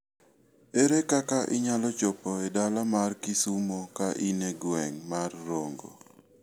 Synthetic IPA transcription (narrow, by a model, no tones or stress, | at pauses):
eɾekakaʔɪɲalɔt͡ʃɔpɔedalamarkɪsumokaʔineɡwɛŋmarːoŋɡo̰